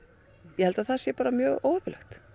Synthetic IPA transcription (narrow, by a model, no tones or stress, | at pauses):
jɛhɛlt̪aðθasjɛpaːɾamjœːɣowɾplɛxt̪